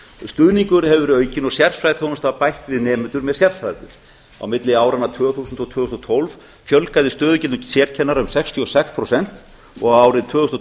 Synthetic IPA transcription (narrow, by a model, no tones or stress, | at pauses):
st̪ʏðniŋkʏɾ̥hɛvʏɾœːɥcɪnɔɣsjɛrfɾajðθonast̪avpajht̪vɪðnɛːmʏnt̪ʏɾmɛðsjɛrfɾajðɪɾ̥ | a̰wmɪt̪lɪaːwɾanat̪ʰvœːθusʏnt̪ɔɣt̪ʰœːhst̪ɔt̪ʰolv | fjœlkajðɪst̪œːðʏcɪlʏsjɛːɾ̥cʰɛnːaɾʏmsɛkst̪ʰiɔsɛkspʰɾɔsɛn̥t̪ | ɔ̰ɣaaːwɾɪðt̪ʰvœːʏst̪